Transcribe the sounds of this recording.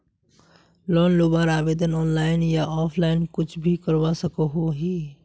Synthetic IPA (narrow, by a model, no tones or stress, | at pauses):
lɔːnloːbaːɾaːʋeːd̪ənɔːnlaːɪnjaʔɔːpʰlaːɪnkʊt͡ʃʰbʱikəɾʋasəkoɦoːɦiː